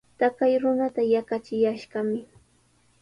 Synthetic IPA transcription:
t̪akajɾʊnat̪ajakat͡ʃɪjaʃɢɑmɪ

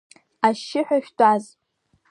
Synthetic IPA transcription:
aʃɪħʷᶣaʃʲᶣdʼaz

